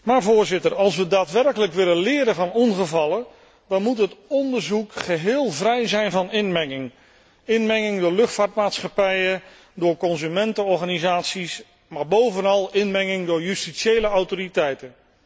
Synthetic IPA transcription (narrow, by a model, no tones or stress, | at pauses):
maːɹvʊːɹzɪtərɑlˠs̬ʋədaːtʋɛrkələkʋɪlənlɪːɾəvɑnɔnχəvɑlˠən | d̥ɑnmutɦətɔndəɹzukχəɦɪːlˠvrɛjzɛjnvɑnɪnmɛŋɪŋ | ɪnmɛŋɪŋdʊːɹlɵχtfaːɹtmaːtsχɑpɛjə | dʊːɹkɔnzymɛntəɔɹχaːnizaːtsis | maːɹbowvənɑlˠɪnmɛŋɪŋdʊːɹjystiʃejləawtoɾitɛjtə